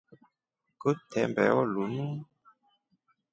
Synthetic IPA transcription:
kotʰɛmbɛ̰ɔlunu

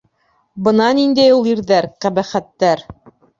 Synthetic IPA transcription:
bɤ̆nɑnind̪æjulˠiɾðæɾqæbæχæt̪ːæɾ

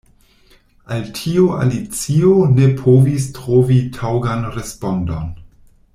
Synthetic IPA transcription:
altʰiua̰lit͡sionepʰovis̬tɾovitʰawɡanɾespondon

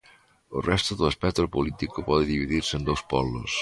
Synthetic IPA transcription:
ə̰lˠrʔɛst̪əðələspɛk̚t̪ɾupulit̪ikupɔðəðiβiðiɾsəːnd̪owspɔβlṵs

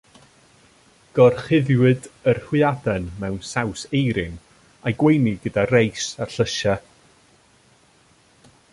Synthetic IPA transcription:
ɡ̥ɔrχɪðjwɨdərhwɨadɛnmɛwnsawsejɾɪn | ajɡwejniɡədarejsarɬəʃa

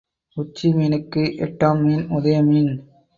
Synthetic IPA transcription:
ʊt͡ʃːimiːnɯkːɯʔɛʈːaːmːiːnʊðɐjɐmiːn

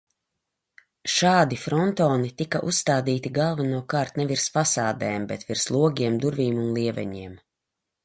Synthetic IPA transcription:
ʃaːd̪ifɾɔnt̪ɔːnit̪ikaʔusːt̪aːd̪iːt̪iɡalˠvanuɔkaːɾt̪nɛviɾsfasaːd̪ɛːmbɛt̪viɾslˠuɔɡʲiɛmd̪uɾvʲiːmunlˠiɛvɛ̰ɲiɛm

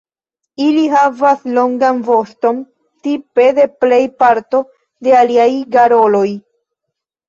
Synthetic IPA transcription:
iliɦavaslo̞ŋɡanvo̞sto̞m | t̪ipe̞d̪e̞ple̞jpaɾt̪o̞ | d̪e̞aliajɡaɾo̞lo̞j

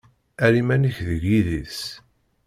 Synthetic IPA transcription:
æɾimænəçðəʝiðis

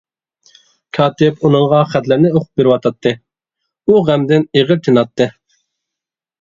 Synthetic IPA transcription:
kʰɑːt̪ɪpunɨŋʁɑχæt̪lɪɾnɪoqʰʊ̥p̚beɾɪwɑt̪ʰɑt̪ʰːɨ | uʁæmd̪ɪneʁɪɾt̪ʰenɑt̪ʰːɨ

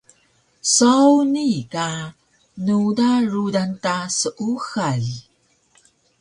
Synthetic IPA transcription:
sawnika | nudaɾudantasəʔuxaɮ

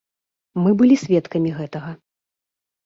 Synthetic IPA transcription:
mɨbɨlʲisʲvʲɛt̪kɐmʲiɣɛt̪ɐɣɐ

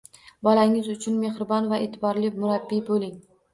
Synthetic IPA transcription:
bɒlaŋɪzʊt͡ʃʰʊnme̞hɾɪbɒnvaʔeːt̪ʰɪbɒɾlɪmʊɾabːibolɪŋ

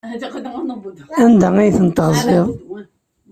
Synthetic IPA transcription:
ænd̪æijθənt̪ʁzˤeʁ

